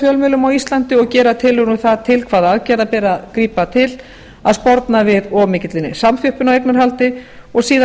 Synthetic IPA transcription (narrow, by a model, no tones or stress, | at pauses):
fjœlmʏlʏmawist̪lant̪ɪɔɣcɛːɾat̪ʰɪlːʏɣnuθaðt̪ʰɪlkʰv̥aːðaðcɛːɾðapɛːɾaðkɾiːpat̪ʰɪl | aðspɔɾt̪navɪðɔmɪːcɪt̪lɪnɪ̰samfjʏhpʏnawejknaɾ̥halt̪ɪ | ɔɣsiːða